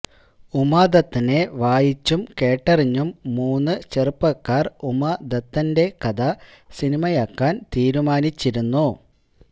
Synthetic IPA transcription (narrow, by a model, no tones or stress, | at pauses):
umɐd̪ɐt̪ːine̞ʋaːjit͡ɕːumkeːʈːɐriɲːumːuːnːɨt͡ɕerɨpːɐkːaːrumɐd̪ɐt̪ːɐnde̞kɐd̪ɐ | sinimɐjakːaːnt̪iːɾumaːnit͡ɕːiɾunːu